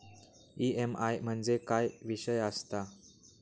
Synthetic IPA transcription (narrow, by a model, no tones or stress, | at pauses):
iemajm̤əɳd͡zekajʋiɕəjəst̪a